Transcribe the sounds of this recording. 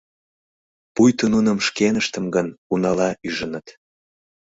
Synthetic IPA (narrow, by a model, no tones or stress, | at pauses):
pujt̪ənunəmʃkenəʃt̪ə̆mɡənunɑlɑʔyʒənət̪